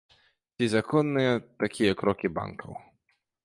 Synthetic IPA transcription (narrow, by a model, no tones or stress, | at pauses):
t͡sʲizakɔnːɨjɛt̪akʲijɛkɾɔkʲiba̰nkʰɐ̰w